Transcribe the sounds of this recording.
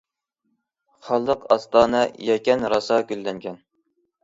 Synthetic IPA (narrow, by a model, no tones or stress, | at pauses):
χɑlˠːəqɑst̪ɑːnɑjɛkʲɛnɾɑsɑkʲylːɛŋkʲʰɛn